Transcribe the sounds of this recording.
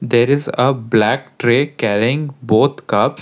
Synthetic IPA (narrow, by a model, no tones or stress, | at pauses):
d̪eːɾɪzəblæk̚ʈɾeːkæɾiɪ̃ŋɡboːt̪ʰkʌps